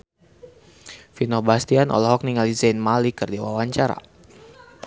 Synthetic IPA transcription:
finɔbast̪ianʔɔ̰lɔɦɔk̚niŋalizanmalikərdiwawaɲt͡ʃaɾa̰

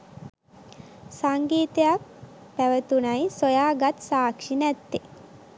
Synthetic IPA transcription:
saŋɡiːt̪ejak̚ | pæʋət̪unajsojaːɡat̪saːkʂinæt̪ːi

